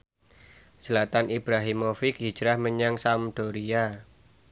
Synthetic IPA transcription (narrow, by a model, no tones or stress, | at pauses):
səlat̪anʔib̥ɾaɦimofɪki̥d͡ʒ̥ɾahməɲaŋsamd̪̥oɾia